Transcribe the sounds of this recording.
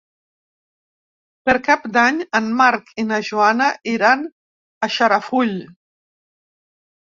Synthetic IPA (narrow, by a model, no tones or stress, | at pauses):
pəɾkapd̪aɲəmmaɾkʰinaʒuanaʔiɾan | aʃaɾafuʎ